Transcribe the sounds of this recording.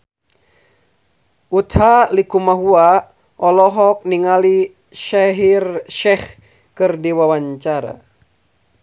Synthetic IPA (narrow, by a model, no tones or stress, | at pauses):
ut̪halikumaɦua | ʔɔlɔɦɔk̚niŋali | ʃaɦirʃɛh | kɨrdiwawaɲt͡ʃaɾa̰